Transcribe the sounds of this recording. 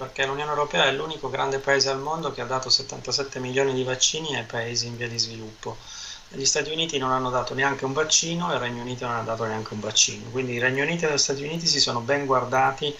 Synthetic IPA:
perk̟elunjoːnewɾopɛːaɛlːuːnikoɡɾand̪epaeːzealmond̪ok̟ead̪ːaːt̪oset̪ːant̪asɛt̪ːemiljoːnid̪ivat͡ʃːiːniajpaeːziːɱviːad̪izvilupːo | ʎist̪aːt̪iuniːt̪inonanːod̪aːt̪oneaŋk̟euɱvat͡ʃːiːnoerːɛɲːouniːt̪ononad̪ːaːt̪oneaŋk̟euɱvat͡ʃːḭːnokwind̪iːrɛɲːouniːt̪̬ied̪eʎst̪aːt̪iuniːt̪is̬isoːnobɛŋɡward̪aːt̪i

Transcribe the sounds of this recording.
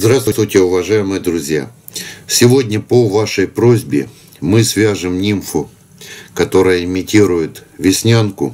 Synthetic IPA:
zɾast̪ʊst̪vʊjtʲɪʊvɐʐajɪmɨjəd̪ɾʊzʲja̰ | sʲɪvo̞dʲnʲəpovaʂəjpɾozʲbʲɪ̰ | mɨsʲvʲaʐɨmnʲimfʊ | kɐt̪o̞ɾəjəɪmʲɪtʲiɾʊjɪt̪vʲɪsʲnʲankʊ̰

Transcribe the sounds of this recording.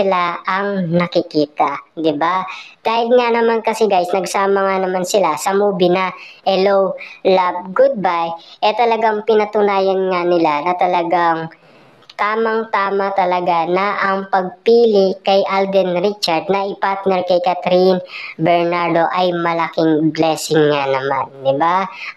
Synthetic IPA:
ɪlaʔɐŋnɐkɪkiːt̪ɐd̪ɪbak̪aːhɪd̪ŋanɐmankɐsɛɡajsnɐɡsaːmɐŋanɐmansɪlasɐmuːbɪnɐhɛlowlab̚ɡʊd̪̚bajʔɛt̪ɐlɐɡaŋpɪnɐt̪ʊnaːjɐnŋanɪlanɐt̪ɐlɐɡaŋ | t̪aːmɐŋt̪aːmɐt̪ɐlɐɡanɐʔɐŋpɐɡ̚piːlɪkɐjʔald̪ɛnɾit͡ʃɐɹd̪̚nɐʔɪpaɹt̪nɛɹkɐjkat̪ɾinbɛɹnaɹd̪o̞ʔɐjmɐlɐkɪŋblɛːsɪŋːanɐma̰nd̪ɪba

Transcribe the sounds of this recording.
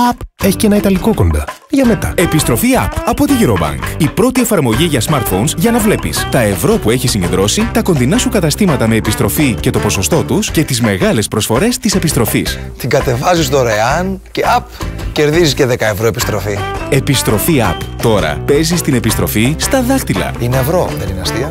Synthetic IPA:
ɐpe̞çi̥ce̞nɐit̪ɐliko̞ko̞nd̪ɐ | ʝɐme̞t̪ɐe̞pist̪ɾo̞fiɐ̰pɐpo̞t̪iʝiɾobɐ̰ŋkipɾo̞t̪ie̞fɐɾmo̞ʝiʝɐsmɐɾt̪fo̞nsʝɐnɐvle̞pḭst̪ɐe̞vɾo̞pue̞çisiɲɟe̞nd̪ɾo̞sit̪ɐko̞nðinɐsukɐt̪ɐst̪imɐt̪ɐme̞ːpist̪ɾo̞fice̞t̪o̞po̞so̞st̪o̞t̪usce̞t̪izme̞ɣɐle̞spɾo̞sfo̞ɾe̞st̪ise̞pist̪ɾo̞fis | t̪iɡɐt̪e̞vɐzist̪oɾɐeɐnce̞ɐpce̞ɾðizisceðekɐevɾoepist̪ɾo̞fie̞pist̪ɾo̞fiɐ̰pt̪o̞ɾɐ̰pe̞zist̪ine̞pist̪ɾo̞fist̪ɐðɐxt̪ilɐ̰ineevɾo̞ðenineɐst̪iɐ

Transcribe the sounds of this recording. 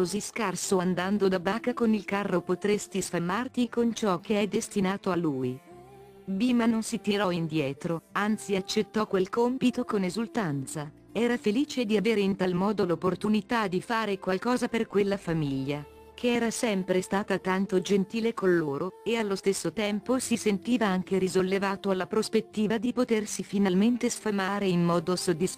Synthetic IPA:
koziskarsoand̪and̪od̪abaːkakonilkarːopot̪ɾest̪isfamːart̪ikont͡ʃɔk̟ːeɛd̪est̪inaːt̪oalːuːj | biːmanonsit̪iɾɔind̪jɛːt̪ɾoant̪siat͡ʃːet̪ːɔkwelkompit̪okonezult̪ant̪sa | ɛːɾafeliːt͡ʃed̪iaveːɾeint̪almɔːd̪olopːort̪unit̪ad̪ifaːɾekwalkɔːzaperkwelːafamiʎːa | kʰeɛːɾasɛmpɾest̪aːt̪at̪ant̪od͡ʒent̪iːlekonːoːɾoealːost̪esːot̪ɛmposisent̪iːvaaŋk̟eɾizolːevaːt̪oalːapɾospet̪ːiːvad̪ipot̪ersifinalment̪esfamaːɾeinːɔːd̪osod̪ːis

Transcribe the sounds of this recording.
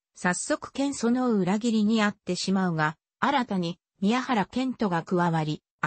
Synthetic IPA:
sasːo̞kɯ̟̥kẽ̞ɰ̃so̞noɯɯ̟ɾaɡʲiɾʲiɲ̟iat̪ːe̞ɕimaɯ̟ɡa | aɾat̪aɲ̟i | mʲijahaɾakẽ̞nt̪o̞ɡakɯ̟βaβaɾʲi

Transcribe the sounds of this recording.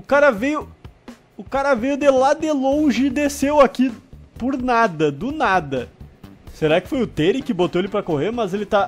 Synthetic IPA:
ʊkaɾɐvejʊ | ʊkaɾɐvejʊd̪elad̪ɪlõʒɪd̪esewakipʊɾnad̪ɐd̪ʊnad̪ɐ | seɾakɪ̥fojʊt̪eɾɪkɪbot̪oelɪpɾɐkoheɾmɐzelɪt̪a

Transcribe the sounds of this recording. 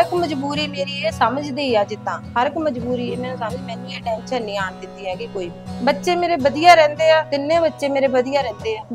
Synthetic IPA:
ɪkməd͡ʒbuːɾiːmeːɾiːeːsəməd͡ʒd̪iːaːd͡ʒɪt̪ːãːɦəɾɪkməd͡ʒbuːɾiːeːmɛ̃ːnũːsəməd͡ʒmɛ̃ːnĩːeːʈɛ̃ːnʃənːĩːaːnd̪ɪt̪ːiːɦɛːkɪkoːiːbibətːʃeːmeːɾeːbəd̪ijaːɾɛ̃ːnd̪eːaːt̪ɪnːẽːbətːʃeːmeːɾeːbəd̪ijaːɾɛ̃ːnd̪eːɦaː

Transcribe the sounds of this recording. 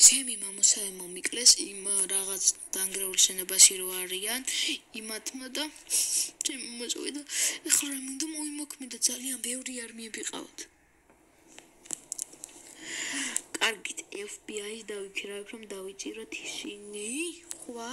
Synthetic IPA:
t͡ʃʰɛmimamɔsaɛmɔmikʼlɛsimɾaʁat̪sʰd̪̥aŋɡɾɛulˠʃɛnɔbaʃiɾɔaɾianimat̪ʰmad̪a | t͡ʃʰɛmimɔsʼɔ̰vḭd̪aɛχaɾamind̪amɔimɔkʰmɛnd̪ad̪zalianbɛvɾiaɾmiɛbiqʼa̰vɔ̰t̪ʰ | kʼaɾɡit̪ʰɛfbiaisd̪avikʰiɾaɛpʰɾɔmd̪avit̪sʼiɾɔt̪ʰi̥siniχwa

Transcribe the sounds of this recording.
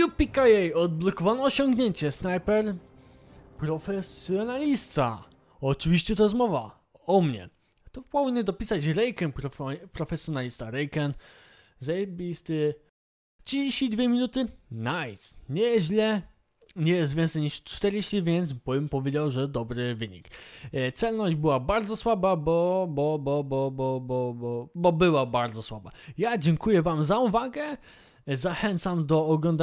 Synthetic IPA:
jupʲikajɛjɔd̪̚blɔkɔvanɔːɕɔŋɡɲeɲt͡ɕɛsnajpɛɾ | pɾɔfɛsjɔnalʲist̪a̰ | ɔt͡ʂɨvʲiɕt͡ɕɛt̪ɔjɛzmɔva | ɔmɲɛ̰ | t̪ɔpɔvinʲəd̪ɔpʲisat͡ɕɾɛjkɛnpɾɔpɾɔfɛsʲjɔnalʲist̪aɾɛjkɛn | zajɛbʲist̪ɘ | id͡ʑeɕt͡ɕid̪vʲjɛmʲinut̪ɘnajsɲɛʑlɛ | ɲɛjɛst̪vʲɛnsɛjɲiʂt͡ʂt̪ɛɾeɕt͡ɕivʲjɛnt̪sbbɛmpɔvʲjed͡ʑawʐɛd̪ɔbɾɘvɘɲḭkt̪sɛlnɔʑd͡ʑbɘwabaɾd̪zɔswababɔbɔbɔbɔbɔbɔbɔbɔbɘwabaɾd̪zɔswaba̰jad͡ʑɛŋkujɛvamzauvaɡɛ | zaxɛnt̪samd̪ɔːɡlɔnd̪a

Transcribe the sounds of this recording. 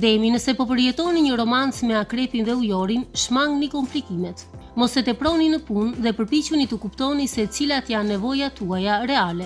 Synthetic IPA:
d̪ɛminəsɛpɔpəɾjɛt̪ɔniɲəɾɔmant͡smɛakɾɛpinðɛujɔɾinʃmaŋɡnikɔmplikimɛt̪mɔsɛt̪ɛpɾɔninəpunðɛpəɾpit͡ɕunit̪əkupt̪ɔnisɛt͡silat̪janːɛvɔjat̪uajaɾɛalɛ

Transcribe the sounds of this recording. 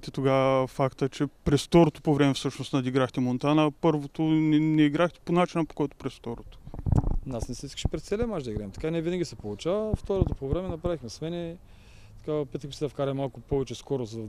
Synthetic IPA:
t̪ɛt̪oɡafakt̪ət͡ʃɛpɾɛsft̪ɔɾot̪o̥povɾɛmɛfsɤʃnost̪nɐd̪iɡɾaxt̪ɛmont̪anɐpɤɾvot̪onɛnɛiɡɾaxt̪ɛ̥ponat͡ʃinəpo̥kɔjt̪ʊ̥pɾɛsft̪ɔɾot̪o̥nasnɛsɛiskə̥ʃɛ̥pɾɛt̪sɛlɛmaʒd̪ɐiɡɾaɛmt̪ɐ̥kaniɛvinəɡʲisɛpolˠut͡ʃavɐft̪ɔɾot̪opovɾɛmɛnɐpɾavixmɛsmɛnɛ | t̪ɐ̥kapɛt̪əkəsɛd̪ɐfkaɾɐmalˠkʊpɔvɛt͡ʃɛskɔɾozɐd̪

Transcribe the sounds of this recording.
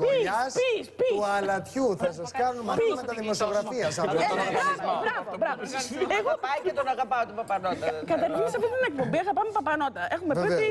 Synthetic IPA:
iɐsispiuɐllɐt̪çuθɐsɐskɐnunmɐpmet̪ɐðimosioɣɾɐfiɐsɐpɐbɐbɾɐvobɾɐvosɐeɣopɐjket̪onɐɣɐpɐot̪upɐpɐnot̪ɐkɐt̪ɐɾinsɐfiinɐek̚pombiɐɣɐpɐmepɐpɐnot̪ɐʔexumeiei

